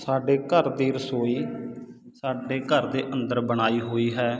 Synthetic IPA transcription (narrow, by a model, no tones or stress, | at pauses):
saːɖeːkəɾd̪iːɾəsɦoːiː | saːɖeːkəɾd̪eːʔənd̪əɾbəɽ̃aːiːɦoːiːɦɛː